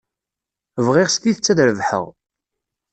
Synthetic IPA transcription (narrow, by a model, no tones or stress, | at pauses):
vʁiʁsk̪iθət͡sːæðɾəvħə̰ʁ